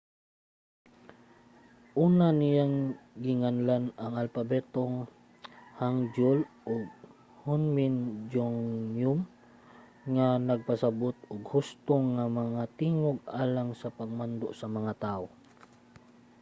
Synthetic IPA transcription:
ʔuːnanɪjaŋɡɪŋanlanaŋalpabɛt̪oŋ | haŋd͡ʒʊlʔʊɡ̚ | hʊnmɪnd͡ʒoŋjʊm | ŋanɐɡ̚pasabot̪̚ʊɡhʊst̪oŋamɐŋat̪iːŋoɡ̚aːlaŋsapaɡ̚mand̪o̰ʔsɐmɐŋat̪ao

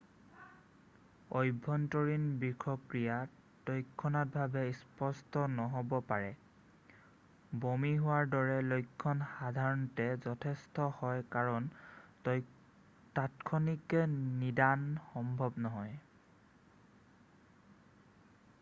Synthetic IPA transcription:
ojbʱɔntɔɹinbikʰɔkɹija | tɔjkʰːɔnat̚bʱabɛispɔstɔnɔɦobɔpaɹɛ | bomiɦʊwaɹdɔɹɛlojkʰːɔnxadʱaɹɔntɛzɔtʰɛstɔhɔjkaɹɔn | tatkʰɔnikɛnidanxɔmbʱɔbnɔɦɔj

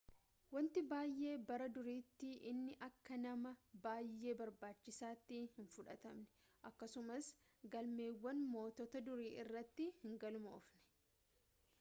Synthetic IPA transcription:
wɐnt̪ɪbaːjʔe̞ːbɐɾɐd̪ʊɾiːt̪ːɪʔɪnːɪʔɐkːɐnɐmɐbaːjːe̞ːbɐɾbaːt͡ʃːɪsaːt̪ːihɪnfʊᶑɐ̰t̪ɐmnɛ̥ | ʔɐkːɐsʊmɐs | ɡɐlme̞ːwːɐnmo̞ːt̪ɔt̪ɐd̪ʊɾiːʔɪrːɐt̪ːɪhɪŋɡɐlʊmɐɔfnɛ̥

